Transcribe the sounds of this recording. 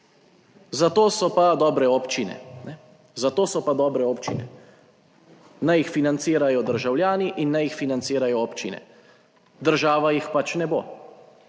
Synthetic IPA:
zat̪oːsɔpad̪ɔːbɾɛɔpt͡ʃinɛ̰nɛ | zat̪oːsɔpad̪ɔːbɾɛoːpt͡ʃḭnɛ̰ | najixfinant̪siːɾajɔd̪əɾʒawljaːniʔinːajixfinant̪siːɾajɔoːpt͡ʃinɛ̰ | d̪əɾʒaːʋajixpat͡ʃnɛbo̰ː

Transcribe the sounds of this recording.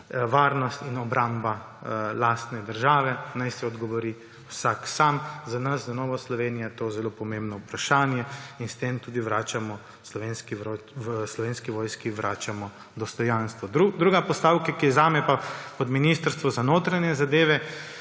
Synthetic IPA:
ʋaːɾnɔst̪inɔbɾamba | laːst̪nɛd̪əɾʒaːʋɛnajsɛɔd̪ɡɔʋɔɾi | wsaksaːmzanɐszanɔːʋɔslɔʋeːnijat̪ozɛlopɔmembnɔupɾaʃaːnjɛinst̪emt̪uːd̪iʋɾaːt͡ʃamɔ | slɔʋenskiʋɾslɔʋenskiʋɔːjskiʋɾʔaːt͡ʃamɔ | d̪ɔst̪ɔjanst̪ʋɔd̪ɾud̪ɾuːɡapɔst̪awkakiɛzaːmɛpapɔd̪minist̪əɾst̪ʋɔzanoːt̪ɾanjɛzad̪eːʋɛ

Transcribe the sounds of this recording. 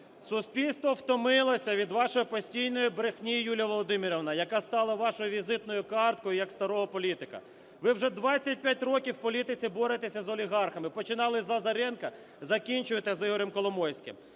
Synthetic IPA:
sʊsʲpʲilʲst̪ʋɔwt̪ɔmɪlˠɐsʲɐʋʲid̪ʋɑʃɔjʊpɔsʲtʲijnɔjʊbɾɪxnʲijjulʲɐʋɔlˠɔd̪ɪmʲiɾɔʋnɐjɐkɑst̪ɑlˠɐʋɑʃɔjʊʋʲizɪt̪nɔjʊkɑrt̪̚kɔjʊjɐkst̪ɐɾɔɦɔpɔlʲit̪ɪkɐ̰ | ʋɪwʒɛd̪ʋɑt͡sʲːɐt̚ʲpʲjat̚ʲrɔkʲiwpɔlʲit̪ɪt͡sʲɪbɔɾɪt̪esʲɐzɔlʲiɦɑrxɐmɪpɔt͡ʃɪnɑlˠɪzˠɐzɐɾɛnkɐ | zɐkʲinʲt͡ʃʊjet̪ɪzɪɦɔɾɪmkɔlˠɔmɔjsʲkʲɪ̰m

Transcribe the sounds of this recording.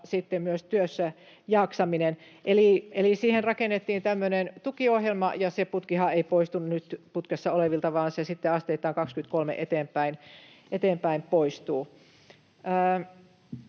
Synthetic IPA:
sit̪ːemmyøst̪yøsːæ | jɑːksɑminen | ʔeliˑelisiːhenrɑkenːet̪ːiːnt̪æmːønent̪ukiohjelmɑ̰jɑseput̪kihɑeipoist̪unnyt̪put̪kesːɑoleʋilt̪ɑʋɑːnsesit̪ːeɑst̪eit̪ːˑɑːŋkɑkskyt̪̚kolmḛʔet̪eːmpˑæinʔet̪eːmpæimpoist̪uː | əː

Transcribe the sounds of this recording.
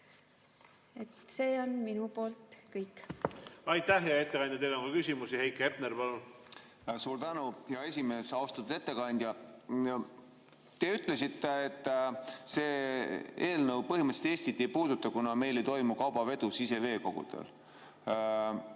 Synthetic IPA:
et̪se̞ːo̞nminupo̞ːlt̪kɯjkː | ɑjt̪æhjjɑet̪ːekɑnd̪jɑt̪e̞jloŋkɑkysʲimusihejkˑep̪̚neɾpɑlun | suːrt̪ænuhjɑe̞sʲime̞ːsɑwst̪ɑt̪ːˑud̪e̞t̪ːe̞kɑnʲd̪̥ʲjɑ | t̪e̞yt̪ˑle̞sit̪ːe̞ːt̪ːˑse̞ːeːlnɤwpɤɦimət̪set̪eːsʲt̪it̪ʲˑːejpuːd̪ut̪ːɑkunɑme̞jle̞jt̪o̞jmukɑwbɑve̞d̪usise̞ve̞ːko̞̰ɡ̥ṵd̪̥ḛl

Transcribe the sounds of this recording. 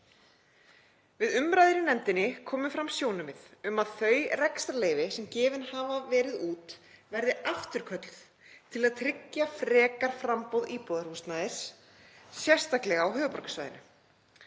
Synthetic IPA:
vɪðʏmɾajðɪɾɪnɛnt̪ɪnːɪkʰɔːmʏfɾamsjownʏmɪðʏmaðθœːɥrɛkst̪aleːjvɪsɛmcɪːvɪnhavavɛːɾɪðuːt̪vɛɾðɪaft̪ʏɾ̥kʰœt̪lθ | t̪ʰɪlaðt̪ʰɾɪcːafɾɛːkaɾ̥fɾampowðiːpɔːðaɾ̥vust̪naðɪs | sjɛr̥st̪aklɛɣaːwɦœːvʏpɔɾkḁsva̰jðɪ̰nʏ

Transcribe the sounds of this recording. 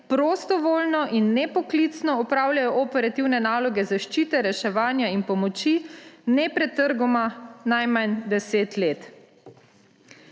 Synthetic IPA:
pɾoːst̪ɔʋoːlnɔʔinːɛpɔklit̪snɔɔpɾaːwljajɔʔɔpɛɾat̪iwnɛnaːlɔɡɛzaʃt͡ʃiːt̪ɛɾɛʃɛʋaːnjainpɔmɔt͡ʃinɛpɾɛt̪ːəɾɡɔmanajmand̪ɛseːt̪leːt̪

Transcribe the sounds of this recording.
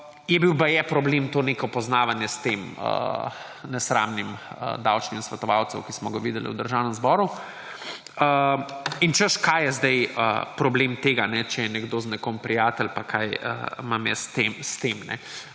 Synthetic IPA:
jɛbiwpajɛpɾɔblemt̪oːnekɔpɔznaːʋanjɛst̪eːmə̰ | nɛsɾa̰mnimə̰d̪awt͡ʃnimnsʋɛt̪ɔʋawt̪səwkismɔɡaʋiːd̪ɛlḭwd̪əɾʒawnəmzbɔɾu | əint͡ʃəʃkajjɛzd̪ɛjə̰pɾɔbleːmt̪eːɡanɛt͡ʃɛjɛnɛɡd̪oːznɛkompɾijaːt̪ɛlpakʰajə̰mamjɛ̰st̪emst̪emnɛ̰

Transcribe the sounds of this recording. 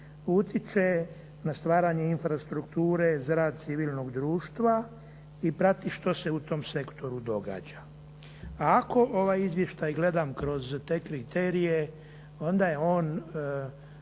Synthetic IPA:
ut̪jise̞ | nast̪ʋaːɾaɲeinfɾast̪ɾukt̪uːɾe̞zaɾaːd̪̚t̪siʋilˠno̞ɡd̪ɾuːʃt̪ʋa | ipɾat̪iʃt̪o̞se̞ut̪o̞mse̞kt̪o̞ɾud̪o̞ɡa̰ːd͡ʑa | aːko̞ʔo̞ʋaːjizʋje̞ʃt̪ajɡle̞d̪amkɾo̞zt̪e̞ːkɾit̪eːɾije | o̞nd̪aje̞o̞ːn

